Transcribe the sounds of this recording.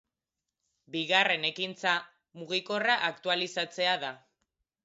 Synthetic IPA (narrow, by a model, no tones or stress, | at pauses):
biɣare̞ne̞kint͡sa | muɣiko̞raʔakt̪ualisat͡se̞aða